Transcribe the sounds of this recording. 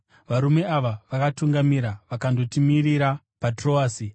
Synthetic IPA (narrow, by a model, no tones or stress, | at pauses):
ʋaɾume̞ʔaʋaʋakatuŋɡamiɾaʋakando̞timiɾiɾa | patro̞aːsi